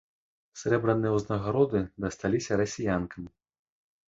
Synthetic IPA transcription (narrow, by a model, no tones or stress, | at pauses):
sʲɾɛbɾɐnɨjɛwznɐɣaɾɔd̪ɨd̪ɐst̪alʲisʲɐɾɐsʲijankɐm